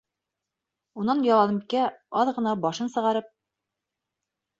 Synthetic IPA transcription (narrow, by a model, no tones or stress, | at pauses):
unɑnjɑlˠɑnɤ̆mkæɑðʁɤ̆nɑbɑʃɤnsɤ̆ʁɑɾɤp̚